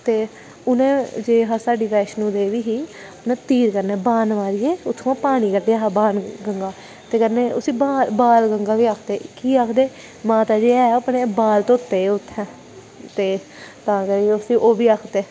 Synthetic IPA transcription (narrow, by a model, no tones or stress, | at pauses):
t̪eː | ʊnẽːd͡ʒeːɦãːsaːɖiːʋɛːʃnũːd̪eːʋiːɦiː | ʊnẽːt̪iːɾkəɾnɛːbaːnmaːɾɪjeːʊt̪ʰːõãːpaːɽ̃iːkəɖeaːɦabaːnɡəŋɡaː | t̪eːkəɾnẽːʊsĩːbaːlbaːlɡəŋɡaːʋiːaːkʰd̪eːkiːaːkʰd̪eː | mãːt̪aːd͡ʒeːɛːapɳeːbaːlt̪õʊt̪ːeːʊt̪ʰːɛ̃ː | t̪eː | t̪ãːkəɾiʊsĩːʔoːʋiːaːkʰd̪eː